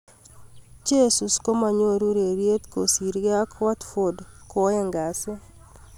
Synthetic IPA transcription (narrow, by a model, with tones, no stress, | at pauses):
t͡ʃe˦su˨sko˦ma˨ɲo˦ɾu˦ɾe˨ɾje˦t̪ko˨si˨ɾɡe˦a˦kwa˦t̪fo˨dkɔɛ˦ŋɡa˨se˦